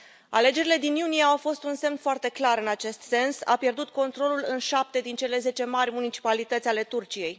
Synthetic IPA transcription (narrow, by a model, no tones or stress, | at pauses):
a̰le̞d͡ʒe̞ɾile̞d̪injunieawfo̞st̪unse̞mnfoart̪e̞klaɾɨnat͡ʃe̞st̪se̞nsa̰pje̞rd̪ut̪̚ko̞nt̪ɾo̞lulɨnʃap̚t̪e̞d̪int͡ʃe̞le̞ze̞t͡ʃe̞marʲmunit͡ʃi̥palit̪ət̪sʲale̞t̪urt͡ʃije̞j